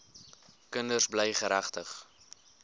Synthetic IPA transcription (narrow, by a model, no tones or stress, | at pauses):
kəndərsbləjχəɾæχtəχ